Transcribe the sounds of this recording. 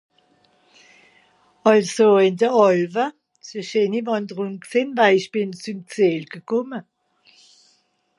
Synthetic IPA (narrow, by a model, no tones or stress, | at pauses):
ɑlsoɪndəɔlvə | səʃeːnivɑndəʁʊŋkseːnvaɪɪʃb̥ɪnt͡sumt͡seːlɡ̥əkʰʊmə